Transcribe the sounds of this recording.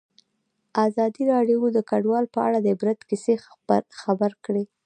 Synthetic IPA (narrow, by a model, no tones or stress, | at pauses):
azɑd̪iɾɑɖjd̪əkaɖwɑlpəa̰ɽad̪əbɾɪt̪kise | xabaɾkɽe